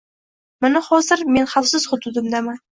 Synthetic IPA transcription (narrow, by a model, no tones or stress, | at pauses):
mɪnahɒzɪɾme̞nχafsɪz̥χʊd̪ʊd̪ɪmd̪amɪ